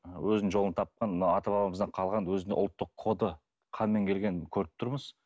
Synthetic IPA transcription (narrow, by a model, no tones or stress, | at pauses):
wɵznɪnʒo̞lˠnət̪ʰɑp̚qɑnmənɑwɑt̪ɑbɑbɑməzd̪ɑqʰɑlˠʁɑnwɵzɪnḛʊlˠt̪ːəqʰod̪ə | qʰɑnme̞ŋkʲʰe̞lɡʲe̞nkʲʰɵɾɪp̚t̪ʰʊɾməz̥